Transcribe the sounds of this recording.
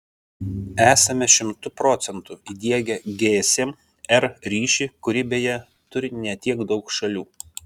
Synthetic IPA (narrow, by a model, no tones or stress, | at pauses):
æːsɐmʲɛʃʲɪmt̪ʊpɾɔːt̪sʲɛnt̪ʊiːd̪ʲiɛɡʲɛɡʲeːsʲeːm | ɛɾɾʲiːʃʲikʊɾʲɪbʲejɛ | t̪ʊɾʲɪnʲɛt̪ʲiɛɡd̪ɒʊkʃɐlʲuː